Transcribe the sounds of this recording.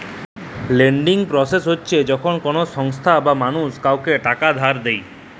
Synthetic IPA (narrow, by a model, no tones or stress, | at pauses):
leɳɖiŋpɾɔsesɦotːt͡ʃʰed͡ʒɔkʰonkɔnosɔŋst̪ʰabamanuskawkeʈakad̪ʱaɾd̪ej